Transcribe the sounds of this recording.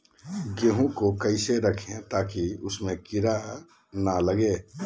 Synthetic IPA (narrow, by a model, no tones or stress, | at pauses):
ɡeɦũkokəɪseɾəkʰẽt̪aːkiʊsmẽkiɾa | naləɡeː